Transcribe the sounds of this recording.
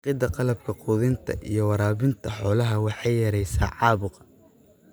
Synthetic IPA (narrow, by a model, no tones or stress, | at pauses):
qɪd̪ɐqɑlɐb̚kʰɐqʊːðɪnt̪ʰɐ̰ʔḭjɞwɑɾaːβɪnt̪ʰɐħɔːlɐɦɐwɑħɑjjɐɾɛjsa̰ːʕɑːβʊq